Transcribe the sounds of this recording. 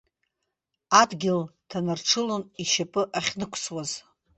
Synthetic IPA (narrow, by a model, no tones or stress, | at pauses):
adɡʲɪltʰanarʈ͡ʂʰɨloniʃapʼɨʔaχʲnɨkʷʰswaz